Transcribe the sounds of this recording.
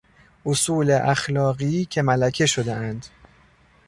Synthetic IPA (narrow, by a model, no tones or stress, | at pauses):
ʔosuːleʔæxlɒːɣiːcʰe̞mælækʰe̞ʃo̞d̪eænd̪